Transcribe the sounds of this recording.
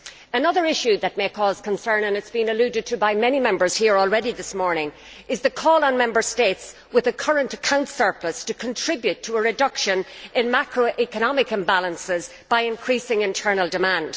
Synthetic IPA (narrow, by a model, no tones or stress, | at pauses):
ənʌðə˞ɪʃʉðɨt̚meɪkʰɔːz̥kʰə̃nsɜ̃˞nə̃nɨtsb̥ĩnəlʉɾɨd̚tʰɨbaɪmɛnimɛ̃mbə˞z̥hiɹɔlˠɹɛɾiðɪsmɔɹnɪ̃ŋ | ʔɪzðəkʰɔːlˠə̃nmɛ̃mbə˞steɪts | wɪðəkʰʌ˞ə̃ntəkʰãʊ̃ntsɜ˞pləstʰɨkʰə̃ntʰɹ̥ɪbjʉtʰəəɹɨdʌkʃə̃nʔɪ̃nmakɹoʔikənɑmɪkɨ̃mbalˠə̃nsɪz | b̥aɪɪ̃nkʰɹ̥isɪ̃ŋɪ̃ntʰɜ˞nəlˠdɨmãnd̥